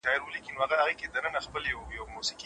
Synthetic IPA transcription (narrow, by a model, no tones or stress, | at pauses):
ʃɑɪɾwəlikinoaɣaaɣeked̪ənənaxpəljawjawmusiqi